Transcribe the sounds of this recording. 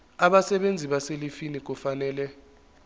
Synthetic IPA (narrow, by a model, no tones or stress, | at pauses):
aɓasɛɓend͡zʱiɓaselifinik̬ufanɛːlɛ